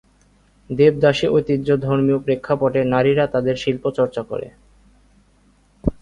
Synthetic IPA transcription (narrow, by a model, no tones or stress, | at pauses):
d̪eb̚d̪aʃeʔojt̪id̪ːd͡ʑod̪ʱoɾmiopɾekʰːapɔʈenaɾiɾat̪ad̪eɾʃilpot͡ɕɔɾt͡ɕako̰ɾḛ